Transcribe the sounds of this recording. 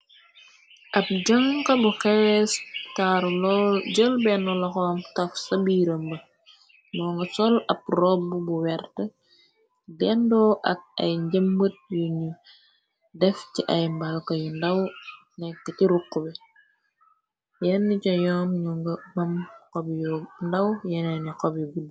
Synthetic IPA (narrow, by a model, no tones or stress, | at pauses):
ʔɐp̚ɟɐŋkɐbuxɛstaɾlɔɟəlbɛnɔlɐxɔmtɐfsɐbiːɾəmbə | mɔːŋɡɐsɔlɐp̚rɔbubuwɛɾtə | dɛndɔːʔɐk̚ɐjɲɟɐmːət̚juɲu | dɛfciʔɐjmbɐlkɔjundɐw | nɛkːɐciɾukːubɛ | jɛnːicɔjɔːnɲuŋɡɐmɐmkɔbjɔndɐwjɛnɛnikɔbɡud